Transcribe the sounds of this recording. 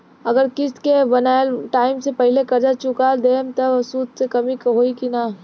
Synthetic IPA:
ɐɡəɾkɪskebɐnaːlʈaːɪmsepɐɦɪlekɐɾd͡ʒat͡ʃʊkad̪eːmt̪ɐsuːd̪sekɐmikɦoːikinaː

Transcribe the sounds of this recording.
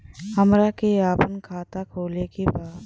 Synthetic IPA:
həmɾakeaːpənkʰaːt̪akʰoːlekebaːd̪

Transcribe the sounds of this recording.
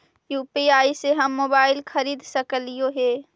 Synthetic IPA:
juːpiaːiseɦəmːoːbaːɪlkʰəɾiːd̪səkəlijoɦeː

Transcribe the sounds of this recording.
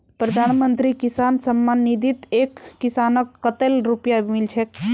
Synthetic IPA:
pɾəd̪ʱaːnmənt̪ɾikisaːnsəmːanːid̪ʱit̪ekːisaːnəkːət̪elɾupjabʱimilt͡ʃʰek

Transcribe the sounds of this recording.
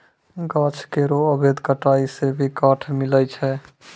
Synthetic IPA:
ɡət͡ʃʰkeɾoəbʱed̪kəʈaisebʱikəʈʰmilət͡ʃʰɛ

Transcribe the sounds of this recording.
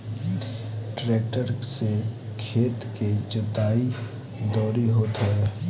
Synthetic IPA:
ʈɾeːkʈəɾsekʰeːt̪ked͡ʒʊt̪aːi | d̪ɔːɾiɦoːt̪ɦɛɛ

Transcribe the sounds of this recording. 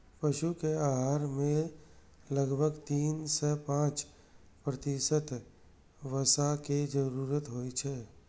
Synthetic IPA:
pəʃukeaːɦaːɾmẽ | ləɡbʱəɡt̪iːnsɛpãːt͡ʃ | pɾət̪iʃət̪ | ʋəsaked͡ʒəɾuːɾət̪ɦoːit͡ʃʰɛː

